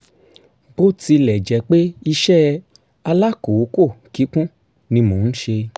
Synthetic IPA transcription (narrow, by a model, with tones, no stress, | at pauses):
bo˦ti˧lɛ˨d͡ʒɛ˨˦k͡pe˦i˧ʃɛ˦ | a˧la˦ko˨wo˨˦ko˦˨ki˨˦kũ˦ | nĩ˧mõ˨ñ̩˦ʃe˧